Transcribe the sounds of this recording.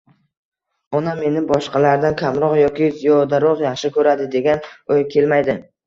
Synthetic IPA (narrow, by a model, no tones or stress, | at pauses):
ɒname̞nɪbɒʃqɑlaɾd̪ankʲʰamɾɒqjɒkʲɪzɪjɒd̪aɾɒqjaχʃɪkʰɵɾad̪ɪd̪e̞ɡʲanojkʲʰe̞lmajd̪ɪ